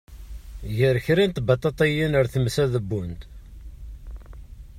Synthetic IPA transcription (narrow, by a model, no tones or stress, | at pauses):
ʝəɾçɾint̪bɑt̪ˤːɑt̪ˤɑjinəɾθəmsæðəbːunt̪